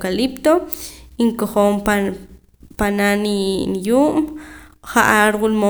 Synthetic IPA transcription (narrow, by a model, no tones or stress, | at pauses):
kalipt̪oiŋkoχoːm | pananinjuːʔmχaʔaɾwulmo